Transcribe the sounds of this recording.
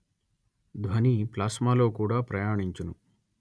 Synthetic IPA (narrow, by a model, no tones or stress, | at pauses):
d̪ʋɐniplaːsmaːlo̞ːkuːɽaːpɾɐjaːɳiɲt͡ʃinu